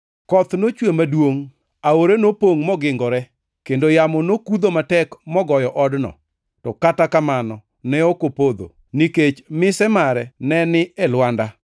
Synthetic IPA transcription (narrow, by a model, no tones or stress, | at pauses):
kɔt̪not͡ʃwemadwoŋ | aoɾenopoŋmɔɡɪŋɡɔɾɛ | kendojamɔnokud̪omatɛkmɔɡɔjɔʔɔdnɔ̰ | tɔkatakamanɔ | nɛokopod̪o̰ | niket͡ʃmɪsɛmaɾɛnɛnɪɛlwanda